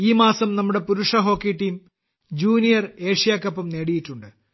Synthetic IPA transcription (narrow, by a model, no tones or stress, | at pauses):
iːmaːsɐmnɐmːuɽe̞puɾuʂɐɦo̞ːkːiʈːim | d͡ʑuːnijɐre̞ːʂijaːkːɐpːɐmneːɽijitːuɳɖɨ